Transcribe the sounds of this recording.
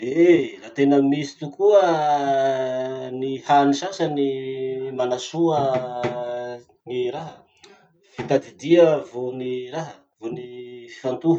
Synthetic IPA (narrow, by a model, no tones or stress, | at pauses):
enat̪enəmisi̥t̪ukuə | nihanisasənimanasuə | niɾaɦə | fit̪ad̪id̪iəvoniraɦə | vonifi̥fant̪uɦ